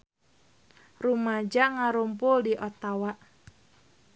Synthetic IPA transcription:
rumad͡ʒaŋaɾumpʊldiʔɔt̪awaʔ

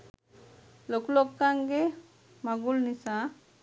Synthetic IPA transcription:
loklokːaŋɡe | maɡulnisa

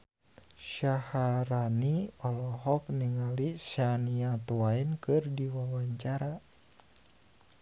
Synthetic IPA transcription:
ʃahaɾaniɔlɔɦɔk̚niŋalisaniat̪uainkɨrdiwawaɲt͡ʃaɾa

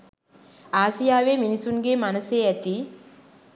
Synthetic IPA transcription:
aːsijaːʋeːminisunɡeːmanəseæt̪i

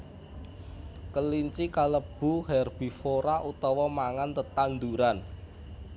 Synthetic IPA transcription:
kəliɲt͡ʃikaləb̥ṳhɛrb̥i̤foɾaʔut̪ɔwɔmaŋant̪ət̪and̪uɾan

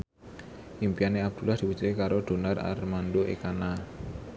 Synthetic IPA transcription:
ʔimpianeab̚d̪̥ṳlahd̪̥i̤pu̥t͡ʃuekaɾod̪̥o̤nara̰rmanɖoʔḛkana

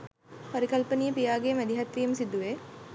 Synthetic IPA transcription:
poɾikɐlpənijəpijaːɡemæd̪iɦɐt̪ʋijəməsid̪uʋe

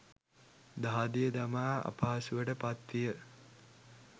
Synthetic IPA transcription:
d̪aɦad̪ijəd̪amaːa̰paːasuʋəʈəpat̪ːijə

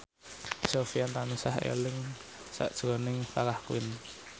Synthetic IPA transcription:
sofiant̪anusahḛlɪŋ | sa̰ʔd̥ʒ̥ɾɔnɪŋfakahkwɪ̰n

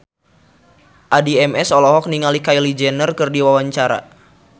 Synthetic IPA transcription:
ʔadiɛmɛsɔlɔɦɔk̚niŋalikailid͡ʒɛnərkɨrdiwawaɲt͡ʃaɾa̰

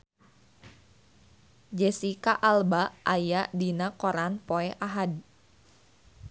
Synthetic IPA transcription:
d͡ʒɛsikaʔalbaʔajadinakoɾanpoɛʔaɦad

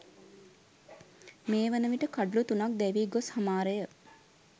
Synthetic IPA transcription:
meːʋənəʋiʈəkaɖulut̪unak̚d̪ɛʋiːɡoshamaːɾəjə

